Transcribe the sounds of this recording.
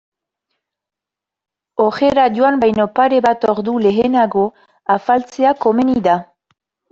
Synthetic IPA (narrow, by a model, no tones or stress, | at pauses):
oxe̞ɾadjoambajno̞paɾe̞βat̪o̞ɾd̪ule̞enaɣo̞ | afalt͡se̞ako̞me̞niða